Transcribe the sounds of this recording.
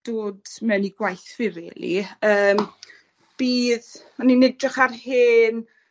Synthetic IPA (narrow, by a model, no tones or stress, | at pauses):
d̥oːdmɛwniɡwajθvɪvɛ̰ːlˠḭəːm | b̥iːðmaninɛdrɪχarhɪːn